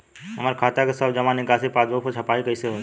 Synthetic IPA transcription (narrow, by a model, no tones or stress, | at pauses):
ɦɐmaɾkʰaːt̪akesəbd͡ʒɐmanikaːsipaːd̪opot͡ʃʰɐpaːikɐiseɦo